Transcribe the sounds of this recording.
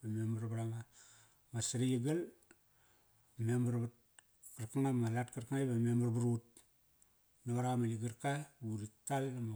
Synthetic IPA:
bamembaɾbaɾama | masaɾijiɡal | membaɾbat | kaɾkaŋamalatkaɾkaŋajbamemaɾbaɾut̚ | naɾamaliɡaɾkauɾitalama

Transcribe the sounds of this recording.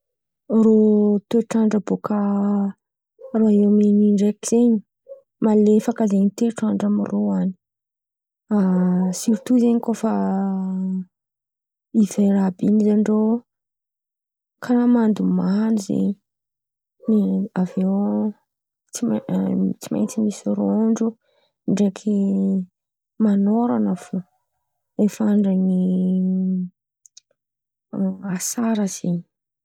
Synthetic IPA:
rot̪eʈ͡ʂaɳɖ͡ʐəbokə | raewminiɳɖ͡ʐekiz̥eɲi | malefakəzeɲit̪eʈ͡ʂaɳɖ͡ʐamiroani̥ | asiɾt̪uzeɲikofa | iveɾabinizenɖ͡ʐo | kʰaɾamand̪umanzḭɲ | niavew | imt͡sima̰jnt͡simisiɾuɳɖ͡ʐu | ɳɖ͡ʐekʰi | manoɾanafu | efaɳɖ͡ʐani | asaɾəz̥iɲ

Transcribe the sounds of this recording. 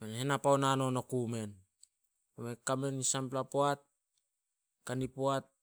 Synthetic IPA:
menhenapawnano̞nokume̞n | omekame̞nisamplapoat̚ | kanipoat̚

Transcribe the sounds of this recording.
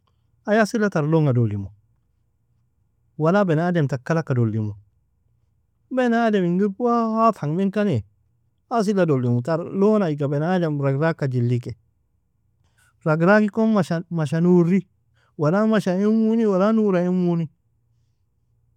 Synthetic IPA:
ajasilːataɾloŋadolːimu | walabenaːdemtakːalakːadolːimu | benademiŋɡiwaːtʰaŋmeŋkane | as̬ilːadolːimutaɾlonaiɡabenademɾaɡɾakːad͡ʒilːike | ɾaɡɾakikoaʃamaʃanuɾi | walamaʃaimuniwalanuɾaimuni

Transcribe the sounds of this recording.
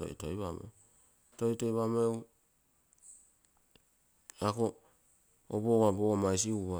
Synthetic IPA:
to̰ito̰jβamḛ | tojtojβameu | ako | oboɡaboɡamajs̬iuβa

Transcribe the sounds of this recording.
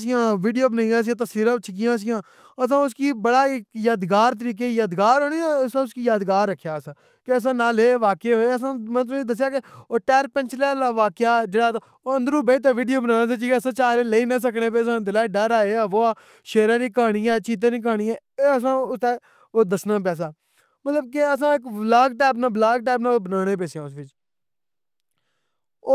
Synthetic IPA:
sɪjãːʋiːɖijoːbənːĩːaːs̬jãːt̪əsʋiːɾãːt͡ʃʰɪk̬ɪjãːəs̬ɪjãː | əs̬ãːʊskiːbəɽaːɪkjaːd̪ɡaːɾt̪̬əɾiːk̬eːjaːd̪ɡaːɾɦoːɽiãːsãːʊskiːjaːd̪ɡaːɾːəkʰːjaːəsãː | kɪəs̬ãːnaːleːʋaːkeːɦoːeəs̬ãːmət̪ːd̪əs̬jaːkɪoːʈɛːɾpə̃nt͡ʃleːlaːʋaːkjaːd͡ʒeːɽaːt̪a | oə̃nd̪əɾũːbəiːt̪̬ɛːʋiːɖijoːbənãːnãːseːt͡ʃiːəsãːt͡ʃaːɾeːləiːnãːs̬əkneːp̬eːs̬ãːd̪ɪlaːɖəɾaːeːaːʋoːaː | ʃeːɾãːɾiːkaːɽ̃iːɛːt͡ʃiːt̪̬ẽːɾiːk̬aːɽ̃iːɛːeːəsãːʊt̪ɛː | oːd̪əsnaːp̬ɛːs̬aː | mət̪ləbkeəs̬ãːɪklaːɡʈɛːp̬nãːblaːɡʈ̬ɛːpnãːbənaːɽ̃eːp̬eːsɪjãːʊsʋɪt͡ʃ | oː

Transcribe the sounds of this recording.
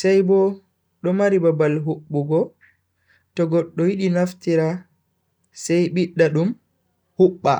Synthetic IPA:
sɛjbɔ | ɗɔmaɾibabalɦuɓːuɡɔ | tɔɡɔɗːɔwiɗinaftiɾa | sɛjɓiɗːaɗum | huɓːa̰

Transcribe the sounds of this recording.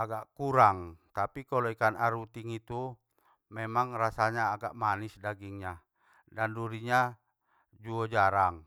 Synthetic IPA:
aɡaʔkuɾaŋt̪apikɔlɔikanaɾut̪iŋit̪u | mɛmaŋrasaɲaːɡa̰ʔmanisdaɡiŋɲa | danduɾiɲa | d͡ʒuɔd͡ʒaɾaŋ

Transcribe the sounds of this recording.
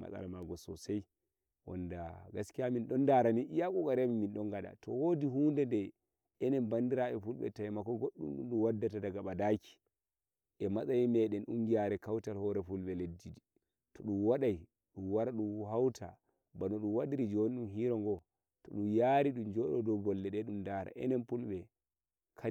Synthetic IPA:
ma̰sʼa̰lamaɡɔsɔ̰saj | wɔ̰ndaɡaskijaminɗɔndaɾaniʔijakukaɾamimːinɗɔŋɡaɗa̰tɔwodiɦuːndɛndɛ | ɛnɛnbandiɾaɛfulɓɛ̰tajmakɔɡoɗːṵmɗṵmɗumwadːatadaɡaɓadakʰi̥ | ʔɛmasajimɛɗɛnʔumɡijaɾɛkawtalhɔɾɛfulɓɛledːidi | tɔɗumwaɗaj | ɗumwaɾaɗumwɦawtʰa̰ | banɔɗumwaɗiɾid͡ʒɔnɗumɦiːɾɔŋɡɔ | tɔɗumjaɾiɗumd͡ʒɔɗɔdɔbɔlːɛɗɛɗumdaːɾa̰ʔɛ̰nɛnpulɓɛ | kʰa

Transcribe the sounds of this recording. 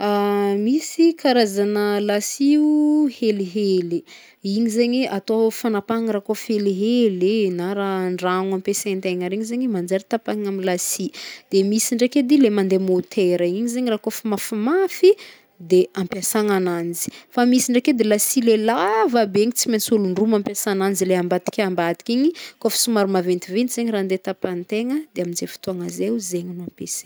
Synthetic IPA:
amisikʰaɾazanəlasiuheliɦeli | iɲizeɲiʔat̪ofanapaŋiɾakofeliɦelenaɾaɳɖ͡ʐaŋampesẽnt̪eŋaɾeɲizeɲimand͡ʒaɾit̪apaŋamilasid̪̥emisiɳɖ͡ʐeked̪ilemand̪emot̪ʰeɾəiɲizeɲiɾakofamafimafi | d̪eampiasaŋanand͡zi̥famisiɳɖ͡ʐeked̪elasilelavabeɲit͡simensuluɳɖ͡ʐumampiasananzileambat̪i̥kʲambat̪i̥kʲiɲikofi̥sumaɾumavent̪ivent̪izeɲiɾand̪et̪apant̪eŋəd̪eamind͡zefi̥t̪uaŋazewzeɲanuampese

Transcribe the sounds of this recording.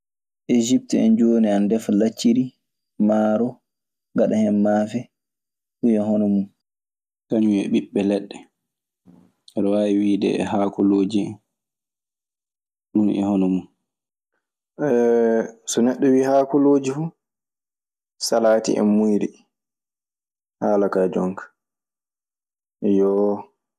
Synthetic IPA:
ʔed͡ʒip̚tɛ̰nd͡ʒoːniandɛflat͡ʃːiɾi | maːɾɔ | ɡaɗahɛnːafɛ | ɗujɛhɔnɔmun | kaɲuɛ̰ɓiɓːɛlɛɗːɛ | ɾwaiwiːdɛ̰ɛ̰ɦaːkɔloːd͡ʒi | nunʔɛ̰hɔnɔmun | ʔɛsɔnɛɗːɛwiːhaːkɔloːd͡ʒifuː | salaːtḭʔɛ̰mujɾi | haːlakad͡ʒɔ̰ŋkḁ | jɔ

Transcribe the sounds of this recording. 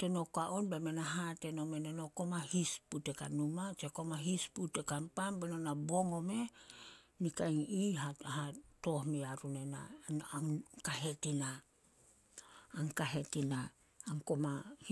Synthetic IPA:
te̞no̞kaʔonbemenaɦate̞no̞meneno̞ko̞mahispute̞kanumat͡ʃeko̞maɦispute̞kampambenonabo̞ŋo̞me̞ | nikajŋiɦahato̞hmiaɾunena̰ŋkaɦe̞tina | ŋkaɦe̞tinaː | ŋko̞mah

